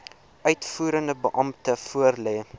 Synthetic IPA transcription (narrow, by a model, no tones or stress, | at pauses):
ʔœɥtfuːɾəndəbəʔɐmtəfuərlɛː